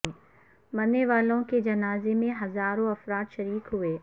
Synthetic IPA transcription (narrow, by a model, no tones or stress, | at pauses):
mɐnːeʋaːlõked͡ʒɐnaːzemẽɦɐzaːɾõɐfɾaːt̪ʃɐɾiːkɦueː